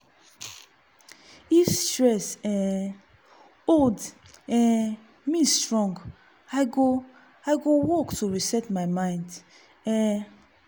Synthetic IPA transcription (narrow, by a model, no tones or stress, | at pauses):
itɹɛsɛ̃ | old | ɛ̃ | mistɹɔ̃ŋɡ | aɪɡo | aɪɡowɔktʰuɹisɛtmaɪmãɪ̃nd | ɛ̃